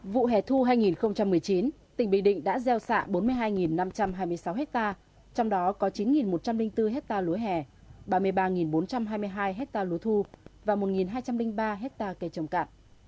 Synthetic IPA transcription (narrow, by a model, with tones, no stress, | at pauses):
vṵ˧˨ɦɛ˨˩t̪ʰu˧ɦaː˧jŋi˨˩nxə˧wŋ͡mt͡ɕa˧mːɨ˨˩əjt͡ɕi˨˦n | t̪ï˨˩ŋ̟ɓï˧˨ŋɗḭ˧˨ŋ̟ɗa̰ː˧˥zɛ˧wsa̰ː˧˨ɓo˨˦nmɨ˧əjɦaː˧jŋi˨˩nːa˧mt͡ɕa˧mɦaː˧jmɨ˧əjsa˨˦wɦɛ˦˥k̚t̪aː˧ | t͡ɕɔ˧wŋ͡mɗɔ˨˦kɔ˨˦t͡ɕi˨˦nŋi˨˩nmo˨˩t̚t͡ɕa˧mlï˧ŋ̟t̪ɨ˧ɦɛ˦˥k̚t̪aː˧lu˨˦jɦɛ˨˩ | ɓaː˧mɨ˧əjɓaː˧ŋi˨˩nɓo˨˦nt͡ɕa˧mɦaː˧jmɨ˧jɦaː˧jɦɛ˦˥k̚t̪aː˧lu˨˦t̪ʰu˧vaː˨˩mo˨˩t̚ŋi˨˩nɦaː˧jt͡ɕa˧mlï˧ŋ̟ɓaː˧ɦɛ˦˥k̚t̪aː˧kə˧˩jt͡ɕə˨˩wŋ͡mka̰ː˧˨m